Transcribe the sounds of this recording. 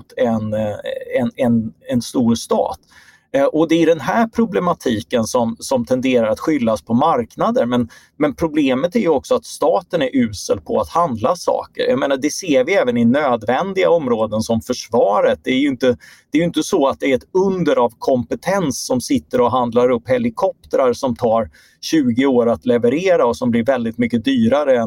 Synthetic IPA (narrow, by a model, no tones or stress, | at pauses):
t̪ʰɛnɛnɛnɛnst̪uːɾst̪ɑ̰ːt̪ | ʔɔd̪ɛɖɛnɦæːɾpʰɾʊblɛmat̪ʰiːkənsɔmsɔmt̪ʰɛnd̪eːɾaɾat̪ɧʏlːaspʰɔmaɾknad̪əɾmɛn | mɛnpʰɾʊbleːmət̪æɾjɵɔksɔat̪st̪ɑːt̪ənæɾʔʉ̟ːsə̰lpʰɔat̪hand̪lasɑ̰ːkə̰ɾjameːnaɖɛseːɾvɪɛːvənɪnøːd̪vɛnd̪ɪɡa̰ɔmɾoːd̪ənsɔmfœʂvɑːɾət̪̚d̪ɛæɾjɪnt̪əd̪ɛːɾjʏʏnt̪əsɔat̪̚d̪ɛæɾɛt̪ɵnd̪əɾavkʰɔmpət̪ʰɛnsːɔmsɪt̪ːəɾɔɦand̪laɾɵpːhɛlɪkʰɔp̚t̪əɾaɾʂɔmt̪ʰɑːɾ | ɕʉ̟ːɡɪoːɾat̪lɛvəɾeːɾaɔsɔmblɪɾvɛld̪ɪt̪mʏkːəd̪yːɾaɾəɛn